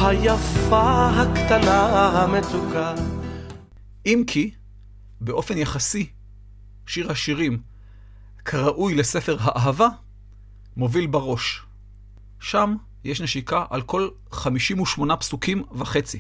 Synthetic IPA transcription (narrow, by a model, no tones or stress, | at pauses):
hajafaɦakt̪anaɦamet͡suka | ʔimkʰi | beʔo̞fe̞njaχasi | ʃiʁhaʃiʁim | kʰaʁaʔujlese̞fe̞ʁɦaʔaɦava | mo̞vilbaʁo̞ʃ | ʃam | jeʃneʃikaʔalko̞l | χamiʃimuʃmo̞napsukimvaχe̞t͡si